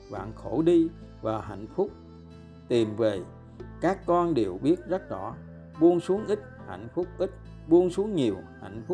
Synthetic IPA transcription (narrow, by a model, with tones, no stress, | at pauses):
va̰ː˧˨nxo˧˩ɗi˧ | vaː˨˩ɦa̰˧˨jŋ̟fʊ˦˥k͡p̚ | t̪i˨˩mve˨˩ | kaː˦˥kːɔ˧nɗe˨˩wɓi˦˥ət̚zə˦˥t̚zɔ˧˩ | ɓu˧ənsu˨˦əŋʔi˦˥k̚ha̰˧˨jŋ̟fʊ˦˥k͡p̚ʔi˦˥k̟̚ | ɓu˧ənsu˨˦əŋɲi˨˩əwha̰˧˨jŋ̟fʊ˦˥